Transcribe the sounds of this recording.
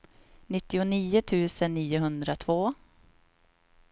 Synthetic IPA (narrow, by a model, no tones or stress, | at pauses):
nɪt̪ːɪʊniːʊt̪ʰʉ̟ːsənːiːʊɦɵnd̪ɾat̪ʰvoː